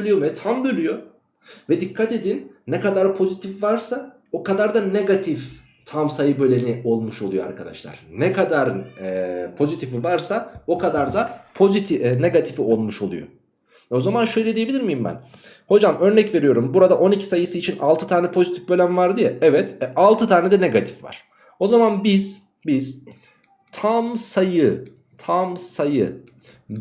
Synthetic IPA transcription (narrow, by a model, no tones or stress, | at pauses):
ølʲyjomɛt̪ʰambølʲyjo | vɛd̪ikʰːat̪e̞d̪inːɛkad̪aɾpʰo̞zit̪ʰifvaɾsa | o̞kad̪aɾd̪aneɡat̪ʰif | t̪ʰamsajɯbø̞lʲenio̞lˠmuʃo̞lˠujo̰a̰ɾkʰad̪a̰ʃlˠa̰ɾ̥nɛkʰad̪aɾ | pʰo̞zit̪ʰifivaɾsao̞kʰad̪aɾd̪apʰo̞zit̪ʰneɡat̪ʰifio̞lˠmuʃo̞lˠṵjo̰ | o̞zamanʃø̞jlʲed̪ijebiiɾmijimbæ̰n | ho̞d͡ʒamø̞ɾnɛcve̞ɾijo̞ɾumbuɾad̪aʔo̞nicʰi̥sajɯsɯːt͡ʃʰina̰lˠt̪ʰɯt̪ʰaːnɛpʰo̞zit̪ʰifbø̞lʲæmvaɾd̪ijɛɛvɛt̪alˠt̪ʰɯt̪ʰaːnɛd̪ɛneɡat̪ʰi̥fva̰ɾ̥ | o̞zamanbiz̥ | biz̥ | t̪ʰamsajɯ | t̪ʰamsajɯ